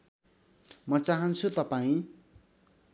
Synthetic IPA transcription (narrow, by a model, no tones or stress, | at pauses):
mʌt͡saɦʌnt͡sʰut̪ʌpaĩ